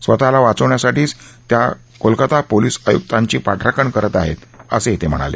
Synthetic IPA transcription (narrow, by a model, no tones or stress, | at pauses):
sʋət̪alaʋat͡səʋɳjasaʈiːt͡st̪ja | kolkət̪apoliːsəjṵk̚t̪ãɲt͡ɕiːpaʈʰɾakəɳkəɾət̪aɦḛt̪ə̰set̪ʰem̤ə̰ɽ̃a̰lḛ